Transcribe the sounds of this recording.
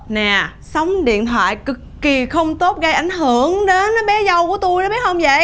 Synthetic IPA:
nɛː˨˩ | sa˨˦wŋ͡mɗḭ˧˨ənt̪ʰwa̰ː˧˨jkɨ˨˩kːi˨˩xə˧wŋ͡mt̪o˦˥t̚ɣə˧jʔa˧˩jŋ̟ɦɨ˧˩əŋɗe˨˦nɓɛ˨˦zə˧wku˧˩ət̪u˧jnɔ˨˦ɓi˦˥ət̚hə˧wŋ͡mzə̰˧˨j

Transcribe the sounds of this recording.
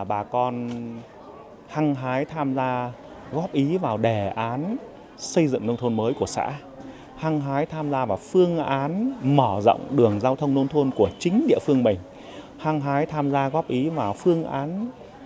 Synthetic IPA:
ɓaː˨˩kɔ˧n | ha˧ŋɦaː˨˦jt̪ʰaː˧mzaː˧ | ɣɔ˦˥p̚ʔi˨˦vaː˨˩wɗe˧˩ʔaː˨˦n | sə˧jzɨ̰˧˨ŋno˧wŋ͡mt̪ʰo˧nməː˨˦jku˧˩əsa̰ː˧˥ | ha˧ŋɦaː˨˦jt̪ʰaː˧mzaː˧vaː˨˩wfɨ˧əŋʔaː˨˦nmɔ˧˩zə̰˧˨wŋ͡mɗɨ˨˩əŋzaː˧wt̪ʰə˧wŋ͡mno˧wŋ͡mt̪ʰo˧nku˧˩ət͡ɕï˨˦ŋ̟ɗḭ˧˨əfɨ˧əŋɓï˨˩ŋ̟ | ha˧ŋɦaː˨˦jt̪ʰaː˧mzaː˧ɣɔ˦˥p̚ʔi˨˦vaː˨˩wfɨ˧əŋʔaː˨˦n

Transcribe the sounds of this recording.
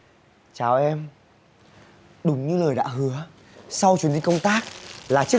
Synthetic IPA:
t͡ɕaː˨˩wʔɛ˧m | ɗʊ˨˩˦ŋ͡mɲɨ˧ləː˨˩jɗa̰ː˧˥ɦɨ˨˦ə | sa˧wt͡ɕwi˨˦nhi˧ŋkə˧wŋ͡mt̪aː˦˥k̚laː˨˩t͡ɕ

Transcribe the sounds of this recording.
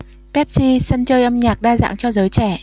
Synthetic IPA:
pɛ˦˥p̚si˧sə˧nt͡ɕəː˧jʔə˧mɲaː˨˩k̚ɗaː˧za̰ː˧˨ŋt͡ɕɔ˧zəː˨˦jt͡ɕɛ˧˩

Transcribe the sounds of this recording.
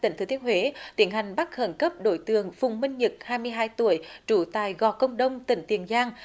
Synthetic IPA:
t̪ï˧˨t̪ʰɨ˨˩t̪i˧˦ənɦwe˨˦t̪i˧˩˦ənha˨˩jŋ̟ɓa˦˥k̚hə˧˩nkə˦˥p̚ɗo˧˩jt̪ɨ˨əŋfʊ˨˩wŋ͡mmï˧ŋ̟ɲɨ˨˩k̚haː˧jmɨ˧əjɦaː˧jt̪u˧˩əjt͡ɕu˧˩t̪aː˨˩jɣɔ˨˩kə˧wŋ͡mɗə˧wŋ͡mt̪ḭ̈˧˨˩ŋ̟t̪ḭ˨˧˩ənzaː˧ŋ

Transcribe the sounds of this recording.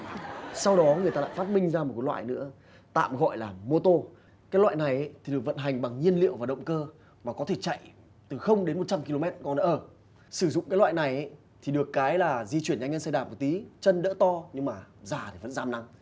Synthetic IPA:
sa˧wɗɔ˨˦ŋɨ˨˩əjt̪aː˧l̰ːfa˦˥t̚mï˧ŋ̟zaː˧mo˨˩kːlwa̰ː˧˨jnɨ̰˧˥ə | t̪a̰ː˧˨mɣɔ̰˧˨jlaː˨˩mo˧t̪o˧ | kaː˨˦jlwa̰ː˧˨jna˨˩jʔjt̪ʰi˨˩ɗɨ˨˩ək̚və̰˧˨nɦa˨˩jŋ̟ɓa˨˩ŋɲi˧ənlḭ˧˨əwaː˨˩ɗə̰˧˨wŋ͡mkəː˧ | maː˨˩kɔ˨˦t̪ʰe˧˩t͡ɕa̰˧˨j | t̪ɨ˨˩xə˧wŋ͡mɗe˨˦nmo˨˩t̚t͡ɕa˧mki˧lo˧mɛ˦˥t̚kɔ˧nɔ˨˦ʔəː˧˩ | sɨ˧˩zʊ̰˧˨ŋ͡mkːla̰ː˧˨jna˨˩jʔə˨˦j | t̪ʰi˨˩ɗɨ˨˩əkːaː˨˦jlaː˨˩zi˧t͡ɕwi˧˩ənɲaː˧ɲə˧nsə˧jɗaː˧˩mo˨˩t̪i˨˦t͡ɕə˧nɗə̰ː˧˥t̪ɔ˧ɲɨ˧ŋmaː˨˩zaː˨˩t̪e˨˧˩və̰˧˥nzaː˧mna˧ŋ

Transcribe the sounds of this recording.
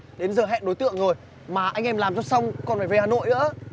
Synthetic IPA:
ɗe˨˦nzəː˨˩ɦɛ̰˧˨nɗo˨˦jt̪ɨ̰˧˨əŋzo˨˩j | maː˨˩ʔa˧jŋ̟ʔɛ˧mlaː˨˩mt͡ɕɔ˧sa˧wŋ͡mkɔ˧nfaː˧˩ve˧˩haː˨˩no̰˧˨jʔɨ̰˧˥ə

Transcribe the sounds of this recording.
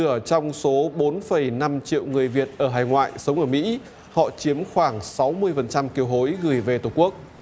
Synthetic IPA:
ɨ˧˩ət͡ɕɔ˧wŋ͡mso˨˦ɓo˨˦nfə˧˩jna˧mt͡ɕḭ˧˨əwŋɨ˨˩əjvi˨˩ət̚ʔəː˧˩ɦaː˧˩jŋwa̰ː˧˨jsə˨˦wŋ͡mʔəː˧˩mḭ˧˥ | hɔ̰˧˨t͡ɕi˨˦əmxwaː˧˩ŋsa˨˦wmɨ˧əjfə˨˩nt͡ɕa˧mki˧əwɦo˨˦jɣɨ˨˩jve˨˩t̪o˨˩ku˦˥ək̚

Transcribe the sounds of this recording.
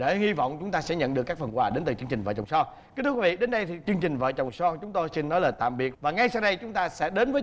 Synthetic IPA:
ɗḛ˧˩hi˧vɔ̰˧˨wŋ͡mt͡ɕʊ˨˦ŋ͡mt̪aː˧sɛ̰˧˥ɲə̰˧˨nɗɨ˨˩əkaː˦˥k̚fə˨˩nkwaː˨˩ɗe˨˦nt̪ɨ˨˩t͡ɕɨ˧əŋt͡ɕï˨˩ŋ̟və̰˧˨˩t͡ɕɔ˨˩ŋ͡msɔ˧ | ki˦˥t̪ʰːwvḭ˧˨ɗe˨˦nɗə˧jt̪ʰi˨˩t͡ɕɨ˧əŋt͡ɕï˨˩ŋ̟və̰ː˧˨t͡ɕɔ˨˩wŋ͡msɔ˧t͡ɕʊ˨˦ŋ͡mt̪o˧jsi˧nnɔ˨˦laː˨˩t̪a̰ː˧˨mɓi˨˩ət̚vaː˨˩ŋa˧jsa˧wɗə˧jt͡ɕʊ˨˦ŋ͡mt̪aː˧sɛ̰˧˥ɗe˨˦nvə˨˦

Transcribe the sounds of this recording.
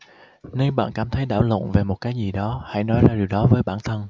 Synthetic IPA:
ne˧nɓa̰ː˧˨nkaː˧˩mt̪ʰə˨˦jɗaː˧˩wlə̰˧˨ve˨˩mo˨˩t̚kaː˨˦jzi˨˩ɗɔ˨˦ha̰˧˨jnɔ˨˦jzaː˧ɗi˨˩əwɗɔ˨˦vəː˨˦jɓaː˧˩nt̪ʰə˧n

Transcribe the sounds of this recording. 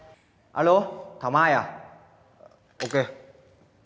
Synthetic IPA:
a̰˨lot̪ʰa˨ma˦ja˨ | o˨ke

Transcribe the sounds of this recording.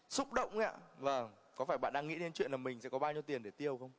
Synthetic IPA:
sʊ˦˥k͡p̚ɗə̰˧˨wŋ͡ma̰˧˥vəː˨˩ | kɔ˨˦faː˧˩jɓa̰ː˧˨nɗaː˧ŋḭ˧˥ne˨˦nt͡ɕwḭ˧˨ənlaː˨˩mï˨˩ŋ̟sɛ̰˧˥kɔ˨˦ɓaː˧wɲi˧əwt̪i˨˩ənɗe˧˩t̪i˧əwxə˧wŋ͡m

